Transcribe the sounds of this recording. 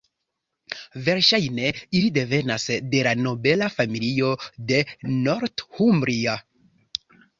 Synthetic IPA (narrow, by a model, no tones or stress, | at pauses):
ve̞ɾʃajne̞ilide̞ve̞nasde̞lano̞be̞lafamiliode̞no̞ɾthumbɾia